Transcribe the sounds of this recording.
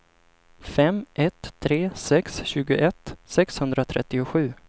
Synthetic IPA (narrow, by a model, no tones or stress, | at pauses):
fɛmʔɛt̪ʰːɾeːsɛksɕʉ̟ːɡʊʔɛt̪ːsɛkshɵnd̪ɾat̪ʰɾɛ̰t̪ːɪʊɧʉ̟ː